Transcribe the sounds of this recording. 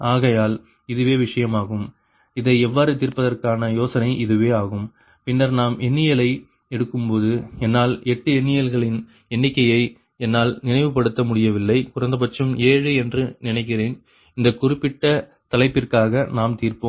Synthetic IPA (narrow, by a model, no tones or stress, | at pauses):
aːɣɐjaːl | ɪðɯʋeːʋɪʂɐjɐmaːɣɯm | ɪðɐɪɛʋːaːɾɯt̪iːɾpːɐðɐrkaːnɐjoːsɐnɐɪʔɪðɯʋeːaːɣɯm | pɪnːɐɾnaːmʔɛɳːɪjɐlɐɪ | ɛɽɯkːɯmpoːðɯɛnːaːlɛʈːɯɛɳːɪjɐlɣɐɭɪn | ɛɳːɪkːɐjɐɪ | ɛnːaːlnɪnɐɪʋɯpːɐɽɯt̪ːɐmʊɽɪjɐʋɪlːɐɪkʊrɐnd̪ɐp̬ɐʈt͡ʃɯmeːɻɯɛndrɯnɪnɐɪk̬ːɪreːn | ɪnd̪ɐkʊrɪpːɪʈːɐ | t̪ɐlɐɪpːɪrkaːɣɐnaːmt̪iːrpoːm